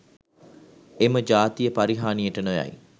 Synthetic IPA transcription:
eməd͡ʒaːt̪ijəpaɾiɦaːnijəʈənoja̰j

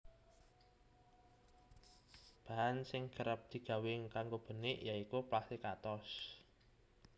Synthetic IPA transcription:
b̥a̤ansɪŋɡ̥ə̤ɾəp̚d̪̥i̤ɡ̥ä̤wɪŋkaŋɡob̥ə̤nɪʔjaikuplast̪ikat̪ɔs

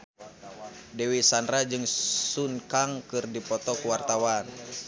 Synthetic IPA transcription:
dɛwisandrad͡ʒɨŋsunkaŋkɨrdipɔt̪ɔkuwart̪awan

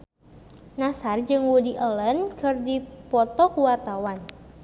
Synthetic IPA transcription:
nasard͡ʒɨŋwudiʔələnkʰɨrdipɔt̪ɔkuwart̪awan

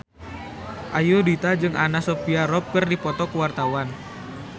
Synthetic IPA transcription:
ʔajudit̪ad͡ʒɨŋʔanasopiaɾɔp̚kərdipɔt̪ɔkəwart̪awan

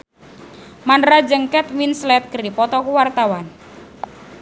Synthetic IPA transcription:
manrad͡ʒəŋkɛt̪minslɛt̪̚kəɾipɔt̪ɔkuwart̪awan

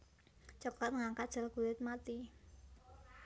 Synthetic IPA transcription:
t͡ʃɔkat̪̚ŋaŋkad̥ʒ̥ə̤lɡ̥ṳwɪt̪̚mat̪i

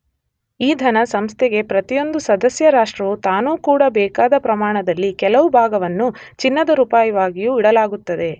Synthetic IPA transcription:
iːd̪ʱɐnɐsɐmst̪ʰɛɡe̞pɾɐt̪ijo̞nd̪usɐd̪ɐsjɐɾaːʂʈɾɐʋut̪aːnuːkuːɽɐbɛːkaːd̪ɐpɾɐmaːɳɐd̪ɐlːikɛlɐʋubʱaːɡɐʋɐnːut͡ʃinːɐd̪ɐɾuːpaːjɐʋaːɡijuːiɽɐlaːɡut̪ːɐd̪e̞

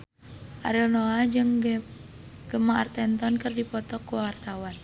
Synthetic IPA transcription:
ʔaɾɛlnoad͡ʒɨŋ | ɡ̥əmaart̪ɛnt̪ɔnkɨrdipɔt̪ɔkːuwart̪awan

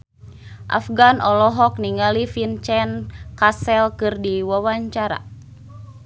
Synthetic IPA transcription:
ʔa̰fɡanʔɔlɔɦɔk̚niŋalifint͡ʃɛnkasɛlkɨrdiwawaɲt͡ʃaɾa̰

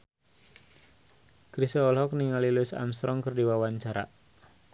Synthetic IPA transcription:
kɾisɔɔlɦɔk̚niŋalilʊsa̰mst̪ɾʔɔŋkərdiwawaɲt͡ʃaɾa̰

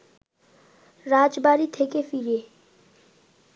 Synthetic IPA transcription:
ɾaːd͡ʒbaːɾit̪ʰeːkefiːɾeː

